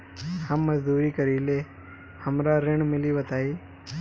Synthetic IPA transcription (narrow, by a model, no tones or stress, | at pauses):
həmːəd͡ʒd̪uːɾiːkəɾile | həmɾaɾeɳ̃mɪliʋət̪aːi